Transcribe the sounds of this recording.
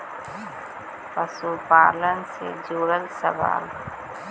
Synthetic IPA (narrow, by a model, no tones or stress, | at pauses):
pɐsuːpaːlənsḛd͡ʒuːɾəlsɐʋa̰ːl